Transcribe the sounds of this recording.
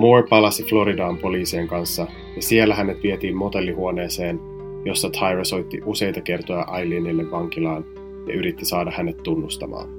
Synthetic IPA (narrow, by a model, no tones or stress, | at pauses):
mopɑlɑsiflo̞ɾidɑːmpo̞liːsieŋkɑnsːɑ | jɑsielːæɦæne̞t̪ʋiet̪iːmmo̞t̪e̞lːiɦuo̞ne̞ːse̞ːn | jo̞sːɑt̪ʰɑjrɑso̞jt̪ːiʔuse̞jt̪ɑke̞rt̪o̞jɑʔɑjliːnilːeʋːɑŋk̟ilɑːn | jɑ̰ʔyɾit̪ːisɑːdɑhæne̞t̪ːunːust̪ɑ̰mɑ̰ːn